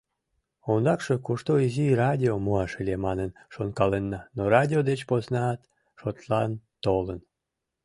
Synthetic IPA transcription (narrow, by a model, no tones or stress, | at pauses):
ond̪ɑkʃekuʃt̪oizirɑdʲiomuɑʃəlʲemɑnənʃonkɑlenːɑnorɑd̪ʲiod̪et͡ɕpoznɑːt̪ | ʃot̪lɑnt̪olən